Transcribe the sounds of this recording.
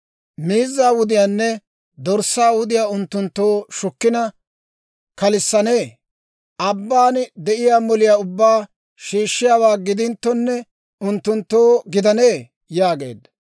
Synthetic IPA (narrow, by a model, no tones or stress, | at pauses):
miːzːaːwʊd̪ɪjaːnːɛ | d̪ɔɾsːaːwʊd̪ɪjaːʊnt̪ːʊnt̪ːoːʃʊkːɪnɐ | kɐlɪsːɐne̞ː | ʔɐbːaːnd̪ɛʔɪjaːmɔlɪjaːʊbːaː | ʃiːʃːɪjaːwaːɡɪd̪ɪnt̪ːɔnːɛ | ʊnt̪ːʊnt̪ːoːɡɪd̪ɐne̞ː | jaːɡe̞̰ːd̪ːɐ